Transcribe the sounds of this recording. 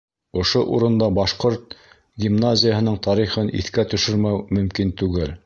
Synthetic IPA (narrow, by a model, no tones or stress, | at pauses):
ŏʃoʔuɾɤ̆nd̪ɑbɑʃqoɾt̪̚ | ɡʲimnazʲɪjaɦɤ̆nɤɴt̪ɑɾiχɤnʔḭθkæt̪ɵ̆ʃɵɾmæwmɵ̆mkint̪ʉɡɘl